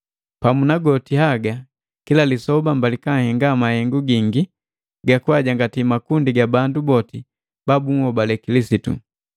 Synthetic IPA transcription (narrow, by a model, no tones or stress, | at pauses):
pamunaɡɔtiɦaɡa | kilalisɔbambalikaŋhɛŋɡamahɛŋɡuɡiŋɡi | ɡakuaɟaŋɡatimakundiɡabandubɔti | babuŋhɔbalɛkilisitṵ